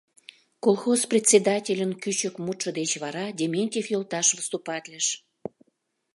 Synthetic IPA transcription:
kolˠxosprʲet̪ʲsʲed̪ɑtʲelʲənkyt͡ɕəkmut̪ʃə̆d̪et͡ɕβɑɾɑdʲemʲenʲtʲefjolˠt̪ɑʃβəst̪upɑt̪ʲlʲəʃ

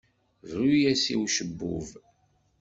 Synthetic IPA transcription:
ðujæsḭwʃəbːʊ̰v

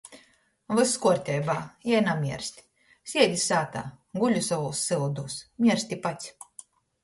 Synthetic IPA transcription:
vɨskuɔɾt̪ʲɛjbaːjɛjnamʲiɛɾsʲt̪ʲi̥ | sʲiɛlʲisaːt̪a̰ːɡulʲusavoːsːɨlˠd̪uːsmʲiɛɾsʲt̪ʲipat̪sʲ

